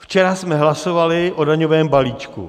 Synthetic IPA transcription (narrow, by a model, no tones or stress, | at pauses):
ft͡ʃɛɾasmɛɦlasovalɪʔodaɲovɛːmbaliːt͡ʃkṵ